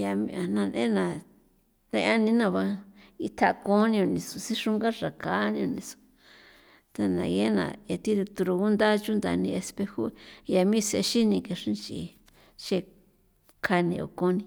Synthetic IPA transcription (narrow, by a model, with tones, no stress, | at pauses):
ja˧mĩ˧a˨nã˧nʔḛ̃˦nã˨ | nẽ˧˦a˦nĩ˧nã˧˨βa˧i˧t̪ʰa˧kõ˦nĩ˧õ˧˨nĩ˧su˨si˦ʂu˦ŋɡa˦ʐa˨ka˨˦nĩ˧õ˧nĩ˧su̥˨ | t̪a˧nã̰˨˧je˦nã̰˨e˧t̪i˦d̪u˧t̪u˧ɾu˧ɣu˦nd̪a˦t͡ʃu˦nd̪a̰˧nĩ˧e˧spe˧hu˦ja˧mĩ˦˧se˧ʃi˦nĩ˧ke˧ʂĩ˦t͡ʃḭ˧ | t͡ʃe˧ | kʰa˧nḭ̃˧o̰˨kõ˦nĩ˧